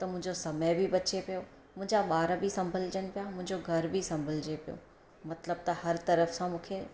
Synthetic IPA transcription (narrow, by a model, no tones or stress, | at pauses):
t̪ɐmʊ̃ɦɪ̃ɲd͡ʑosɐməjbʱibɐt͡ɕepijo | mʊ̃ɦɪ̃ɲd͡ʑaɓaːɾbʱisɐ̃mbʱəld͡ʑəñɪ̆pijamʊ̃ɦɪ̃ɲd͡ʑoɡʱɐɾbʱisɐ̃mbʱəld͡ʑepijo̰ː | mɐt̪ləb̚t̪ɐhɐɾt̪ɐɾəfsãmũːkʰe